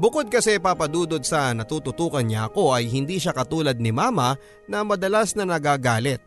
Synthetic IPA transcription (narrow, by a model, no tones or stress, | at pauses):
bʊkod̪̚kɐsɛpapɐd̪uːd̪od̪̚sɐnɐt̪uːt̪ʊt̪uːkɐnɲɐʔɐko̞ʔɐjɦɪnd̪iːʃakɐt̪uːlɐd̪̚nɪmaːmɐ | nɐmɐd̪ɐlasnɐnɐɡaːɡaːlɪt̪̚